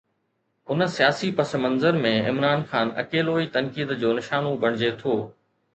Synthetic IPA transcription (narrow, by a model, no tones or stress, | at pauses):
ʊnsijaːsipɐsəmɐ̃nzəɾmẽɪ̰mɾaːnxaːnɐ̰keːloːit̪ɐnkiːd̪d͡ʑoːnɪʃaːnobʱɐɽ̃ɪd͡ʑet̪ʰoː